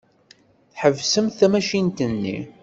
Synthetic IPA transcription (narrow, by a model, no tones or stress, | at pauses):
θħəvsəmθæmæʃint̪ənːḭ